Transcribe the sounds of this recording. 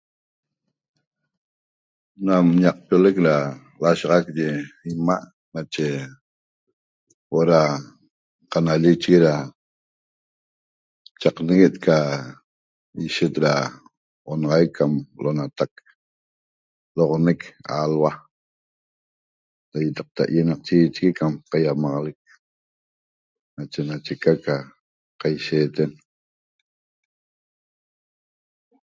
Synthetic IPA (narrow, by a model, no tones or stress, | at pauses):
namɲaq̚polekɾa | laʃɑʁɑk̚d͡ʒeimaʔ | nat͡ʃe | woʔɾa | qanaʎit͡ʃɣiɾa | t͡ʃaqneɣet̪kʰa | iʃet̪ɾa | ʔonɑʁɑjkʰːamlʔonat̪ak̚ | loʁoneka̰lwa | dajat̪ɑq̚t̪a̰ʔjenɑq̚t͡ʃiːt͡ʃɣikamqajamɑʁɑlek̚ | nat͡ʃenat͡ʃekaka | qajʃeːt̪en